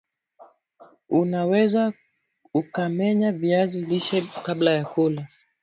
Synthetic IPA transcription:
unawɛza | ukamɛɲaviaziliʃɛkablajakula

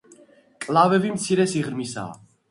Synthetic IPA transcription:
kʼlavɛvimt̪sʰiɾɛsiʁɾmisa̰ː

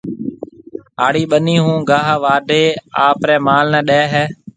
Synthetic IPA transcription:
aːɽiːɓəniːɦũːɡaːɦʋaːɖʱeːaːpɾɛːmaːlnɛ̃ːɗɛːɦɛː

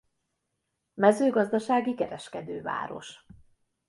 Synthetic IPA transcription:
mɛzøːɡɒzd̪ɒʃaːɡikɛɾɛʃkɛd̪øːva̰ːɾo̞̰ʃ

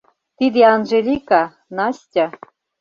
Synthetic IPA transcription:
t̪id̪eɑnʒelʲikɑ | nɑsʲtʲɑ̆

